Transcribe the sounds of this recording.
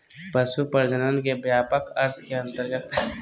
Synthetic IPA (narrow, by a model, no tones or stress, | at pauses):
pəsupəɾd͡ʒənənkebjaːpəkɐɾt̪ʰkeɐ̃nt̪əɾɡət̪